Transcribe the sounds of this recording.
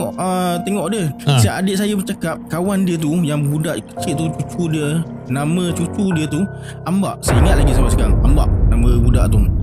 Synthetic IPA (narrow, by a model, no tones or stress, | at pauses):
ɔʔət̪ɛŋɔʔdiəsiaʔadɪʔ̚sajəbət͡ʃakap̚kawandiət̪̬ujaŋəbudaʔkə̥t͡ʃiʔ̚t̪ut͡ʃut͡ʃudiə | nãmə̃t͡ʃut͡ʃudiət̪u | amba̰ʔsəiŋat̪̚laɡisabaʔsəɡaŋamba̰ʔnamə̃buda̰ʔt̪u